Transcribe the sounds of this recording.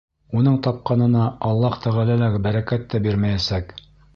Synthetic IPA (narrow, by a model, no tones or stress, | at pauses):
unɤɴt̪ɑp̚qɑnɤ̆nɑɑlˠːɑht̪æʁælælæɡɘbæɾækæt̪ːæbiɾmæjæsæk